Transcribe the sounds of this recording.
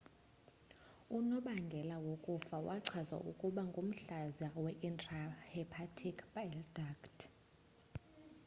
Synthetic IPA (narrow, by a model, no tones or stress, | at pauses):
unɔɓaŋɡʱɛlawokʼufawʔaǀʰwaza̰ʔukʼuɓaŋɡʱom̩ɬazawɛʔintʼrahɛpʰatʰikʰbajldakt